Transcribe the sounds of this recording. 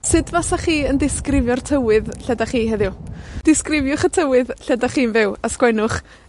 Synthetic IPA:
sɨdvasaχiːəndɪskrɪvjɔrtʰəwɨðɬɛdaχiːɦɛðɪwd̥ɪskrɪvjʊχətʰəwɨðɬɛdaχiːnvɪwaskwɛnʊχ

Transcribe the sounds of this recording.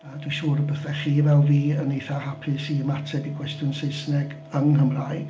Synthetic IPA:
ədwiʃuːɾəbəθɛχiːvɛlˠviːənejθahapʰɨsimatʰɛbiɡwɛstjʊnseɨsnɛɡ | ənhəmraj

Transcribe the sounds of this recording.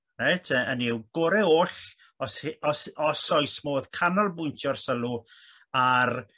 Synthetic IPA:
nejtʰəəniwɡ̥oɾɛoːɬ | ɔshɔsɔsɔjsmoːðkʰanɔlˠbʊjntʰjɔrsəlˠu | ar

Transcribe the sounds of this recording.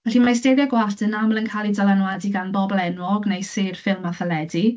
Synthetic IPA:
vɛɬinmasdeðjaɡwaɬtʰənamlˠənkʰalˠidalˠanwadiɡanbɔbɔlˠɛnwɔɡnejserfɪlˠmaθəlɛdi

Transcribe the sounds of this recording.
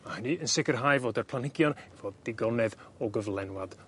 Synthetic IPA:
mahəniənsɪkərɦajvoːdərpʰlˠanɪɡjɔnɛvɔdɪɡɔnɛðɔɡəvlˠɛnwad̥

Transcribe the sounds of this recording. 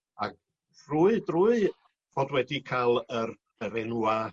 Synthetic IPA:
aɡ̚ | ruːɨdruːɨ | v̥oːdwɛdikʰalˠər | əɾɛnua

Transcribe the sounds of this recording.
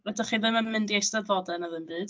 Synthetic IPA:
vɛdəχiːðɨməmɨndiejsdədvɔdɛnaðɨnbɨːd̥

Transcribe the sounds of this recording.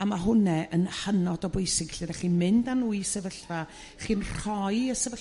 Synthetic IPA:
amaɦʊnɛʔənhənɔdɔbʊjsɪɡ̥ɬiðɛɬinmɪndanuːjsɛvəɬva | χiːnr̥ɔjəsɛvə

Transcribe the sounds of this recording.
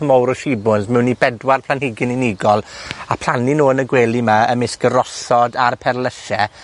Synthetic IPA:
əmɔwɾɔʃibʊnzmɛwnːibɛdwarpʰl̥ˠanhɪɡɪnɪniɡɔlˠapʰl̥ˠaninoːənəɡweːlˠimaəmɪsɡ̥əɾɔsɔdarpʰɛrləʃɛ

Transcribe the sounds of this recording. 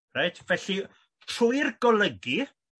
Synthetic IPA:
rejtʰvɛɬi | tʰrʊɨrɡ̥ɔlˠəɡi

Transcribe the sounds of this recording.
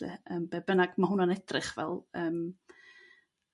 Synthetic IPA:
ɛ̰əːmb̥eːbənaɡmaɦʊnanɛdrɨχvɛ̰lˠəːm

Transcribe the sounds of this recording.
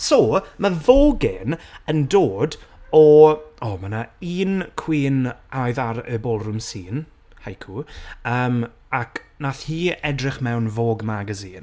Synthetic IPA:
somavoːɡɪnəndoːdɔɔːmanaiːnkʰw̥iːnajðaɾəbɔlˠrʊmsiːn | hajkʰuəːm | akʰnaθhiːɛdrɪχmɛwnvoːɡmaɡəziːn

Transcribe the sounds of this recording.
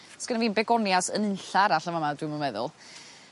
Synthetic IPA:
sɡ̥ənaviːnbɛɡɔnjasənənɬaɾaɬavamadwɨmunmɛðʊ̰lˠ

